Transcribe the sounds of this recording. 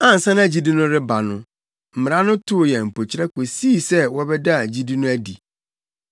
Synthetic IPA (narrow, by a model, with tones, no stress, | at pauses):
ã˦n̩˨sã˦nã˦æ˨d͡ʑi˦di˦nʊ̃˦ɾɪ˦ba˨nʊ̰̃˦ | m̩˨mɪ˨ɾã˦nʊ̃˦tʰʊ˦˨jɛ˨m̩˨po˨t͡ɕʰɪ˦ɾɛ˦kʰo˨si˦˨sɛ˦wɔ˦bɛ˦da˦˨d͡ʑi˦di˦nʊ̃˦æ˦di˨